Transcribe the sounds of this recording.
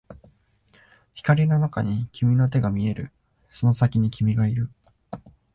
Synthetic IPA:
çi̥kaɾʲino̞nakaɲ̟ikʲimʲino̞t̪̬e̞ɡamʲie̞ɾɯ̟̰ | so̞no̞sakʲiɲ̟ikʲimʲiɡaiɾɯ̟

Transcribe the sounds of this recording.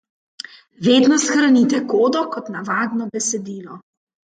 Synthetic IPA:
ʋeːd̪nɔsxɾanit̪ɛkoːd̪ɔkɔt̪naʋaːd̪nɔbɛsɛd̪iːlɔ

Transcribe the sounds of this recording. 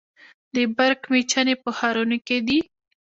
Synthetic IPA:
d̪əbaɾkmet͡ʃanepəxaɾunoked̪i

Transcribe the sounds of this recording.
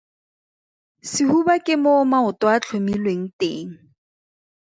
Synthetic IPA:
sɪhubakʼɪmomaʊtwat͡ɬʰomilweŋ̩tḛːŋ̩

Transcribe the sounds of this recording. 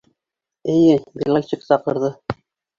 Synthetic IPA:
ɘ̆jɘbʲilˠalʲt͡ɕiksɑqɤ̆ɾðɤ

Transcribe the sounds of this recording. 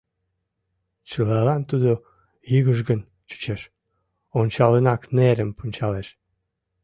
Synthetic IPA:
t͡ɕəlɑlɑnt̪ud̪o | jiɣəʒɣən | t͡ɕu̥t͡ɕeʃ | onʲt͡ɕɑlənɑkneɾəmpunʲt͡ɕɑleʃ

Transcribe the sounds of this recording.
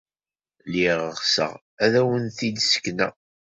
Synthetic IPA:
liʁəʁsə̰ʁ | æðæwənθid̪sə̥kːnæ̰

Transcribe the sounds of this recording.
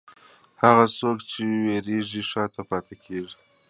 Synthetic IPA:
haɣasokt͡ʃeweɾeʐiʂɑt̪apɑt̪ekʰeʐi

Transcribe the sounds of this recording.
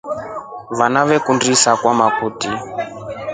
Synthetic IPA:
βanaβɛkundisakwamakʰuːti

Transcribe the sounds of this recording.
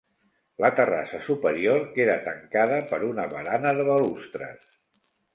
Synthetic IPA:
lət̪əra̰səsupəɾioɾkeɾət̪əŋkaðəpəɾunəβəɾanəðəβəlust̪ɾə̰s

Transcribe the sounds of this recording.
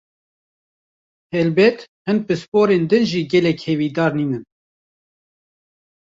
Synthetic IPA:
hɛlbɛt̪hɨn̚bɨspoːɾeːnd̪ɨnʒiːɡɛlɛkhɛviːd̪ɑːɾniːnɨn

